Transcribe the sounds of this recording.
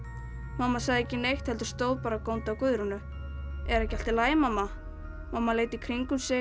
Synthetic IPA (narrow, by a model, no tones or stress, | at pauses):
mamːasaɣðɪɛcːɪnejxt̪hɛlt̪ʏ̥st̪oːwðpaːɾakownt̪awkʏðɾʏnʏ | ɛɾɛhcɪal̥t̪ɪlaːjɪmamːa | mamːaleːjt̪ikʰɾiŋkʏmsɛ